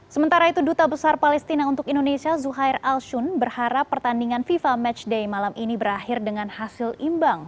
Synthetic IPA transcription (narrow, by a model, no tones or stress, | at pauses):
səmənt̪aɾait̪udut̪abəsarpalɛst̪inaunt̪ʊkindonesiazuɦajralʃʊnbərhaɾapːərt̪andiŋanfifamɛt͡ʃdejmalaminibəɾahɪrdəŋanhasɪlimbaŋ